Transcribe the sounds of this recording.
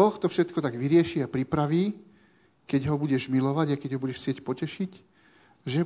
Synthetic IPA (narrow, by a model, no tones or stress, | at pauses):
ɔxt̪ɔfʃɛt̪kɔt̪aɡʋiɾɪɛʃiapɾipɾaʋiː | kɛɟɦɔbuɟɛʒmilɔʋaɟaɪkɛɟɦɔbuɟɛʃsɪɛcpɔcɛʃic | ʒɛ